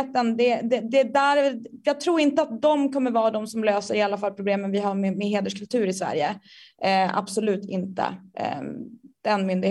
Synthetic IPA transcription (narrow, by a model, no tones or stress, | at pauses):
t̪ənd̪ɛd̪ɛd̪ɛd̪æːɾ | jɑːɡ̚t̪ʰɾuːɾɪnt̪əat̪̚d̪ɔmkʰɔmːəɾvɑːd̪ɔmsɔmløːsəɾɪalːafalpʰɾʊbleːmənvɪɦamɛmɛɦeːd̪əʂkɵlt̪ʰʉ̟ːɾɪsvæ̰ɾjə | a̰b̥sɔlʉ̟ːt̪ɪnt̪ə̰ | d̪̥ɛnmʏnd̪ɪɡ